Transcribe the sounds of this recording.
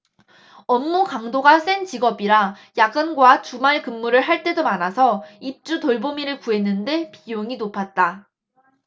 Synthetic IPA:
ʌmːukaŋdoɡas͈ent͡ɕiɡʌbiɾa | jaɡɯnɡwat͡ɕumaɭkɯmːuɾɯɭɦaɭt͈e̞domanasʰʌip̚t͡ɕ͈utoɭbomiɾɯɭkue̞nːɯnde̞pijoŋinopʰat̚t͈a

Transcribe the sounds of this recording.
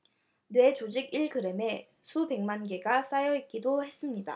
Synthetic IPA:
nwe̞t͡ɕod͡ʑiɡiɭkɯɾe̞me̞ | sʰube̞ŋmanɡe̞ɡas͈ajʌit̚k͈idohe̞s͈ɯmɲida̰

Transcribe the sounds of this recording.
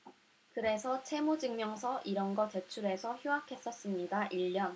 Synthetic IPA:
kɯɾe̞sʰʌt͡ɕʰe̞mud͡ʑɯŋmjʌŋsʰʌʔiɾʌnɡʌte̞t͡ɕʰuɾe̞sʰʌçjuɦakʰe̞s͈ʌs͈ɯmɲidaʔiʎːʌn

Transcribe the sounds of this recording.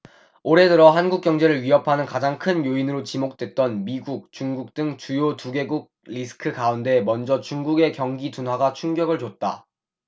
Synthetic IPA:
oɾe̞dɯɾʌɦanɡuk̚k͈jʌŋd͡ʑe̞ɾɯɭɥiɦʌpʰanɯnkad͡ʑaŋkʰɯnjoinɯɾot͡ɕimok̚t͈we̞t̚t͈ʌnmiɡuk̚t͡ɕuŋɡuk̚t͈ɯŋt͡ɕujotuɡe̞ɡuɡ̚ɾisʰɯ̥kʰɯkaunde̞mʌnd͡ʑʌt͡ɕuŋɡuɡe̞kjʌŋɡitunɦwaɡat͡ɕʰuŋɡjʌɡɯɭt͡ɕot̚t͈a̰

